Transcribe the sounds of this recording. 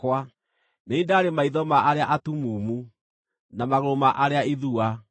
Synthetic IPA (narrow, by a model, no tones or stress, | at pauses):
kwa | neindaːɾemaiðɔmaʔaɾeaʔatumuːmu | namaɣoɾomaʔaɾeaiðua